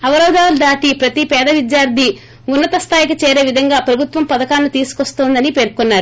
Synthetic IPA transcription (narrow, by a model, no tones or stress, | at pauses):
ɐʋɐɾɐwd̪aːld̪aːʈipɾɐt̪ipɛːd̪ɐʋid̪jaːɾd̪ʱi | unːɐt̪ɐst̪ʰaːjikɐt͡ʃɛːɾe̞ːʋid̪ʱɐŋɡaːpɾɐbʱut̪ʋɐmpɐd̪ɐkaːlːut̪iːsu̥kost̪oːnd̪ɐnipe̞ːɾkonːaːɾu